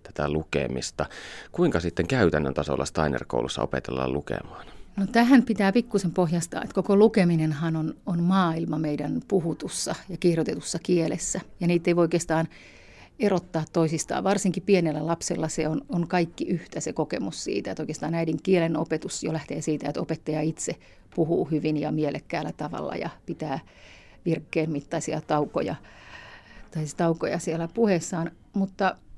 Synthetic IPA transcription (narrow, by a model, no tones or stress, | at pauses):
t̪æ̥t̪ælukḛmist̪ɑkuiŋkɑsit̪ːeŋkæyt̪ænːø̰nt̪ɑso̰lːɑst̪ɑinḛrko̰ulusːɑʔopet̪elːɑ̰llukḛmɑːnnot̪æhæmpit̪æːpikːusempohjɑst̪ɑ̰ːnḛt̪kokolukeminenhɑnononmɑːilmɑmeidænpuhut̪usːɑjɑkirjot̪et̪usːɑkielesːæjɑniːt̪ːeioikeːst̪ɑːn | erot̪ːɑːt̪toisist̪ɑ̰ːʋʋɑrsiŋkipienelːælɑpsḛlːɑseonoŋkɑikːiʔyht̪æsekokḛmussḭːt̪æet̪oikest̪ɑːnæidiŋkieleno̰pet̪usjo̰læht̪eːsiːt̪æet̪o̰pet̪ːɑjɑit̪se | puhuːhyʋinjɑ̰mielḛkːæːlːæt̪ɑʋɑ̰lːɑ̰jɑ̰pit̪æː | ʋirkːeːnmit̪ːɑisiɑ̰t̪ɑuko̰jɑ̰ | t̪ɑist̪ɑukojɑsielæpuhesːɑːn | mut̪ːɑ